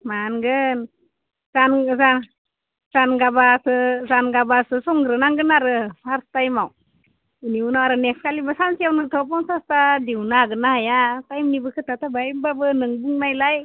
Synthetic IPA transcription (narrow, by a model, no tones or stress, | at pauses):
manɡɯn | zanzan | z̥anɡabasɯzanɡabasɯsɔŋɡɾɯnaŋɡɯnaɾɯpʰaɾstajmaw | iniunawaɾɯnekskalibɯsansijawnɯtʰɔp̬ɔŋsastadiwnaɡɯnahajatajmnibɯkʰɯtatʰabajmbabɯnɯŋbuŋnajlaj